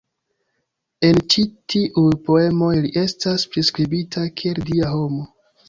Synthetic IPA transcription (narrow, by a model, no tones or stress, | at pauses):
e̞nt͡ʃitiʔujpoe̞mo̞jliʔe̞staspɾiskɾibitʰakʰieldiaɦo̞mo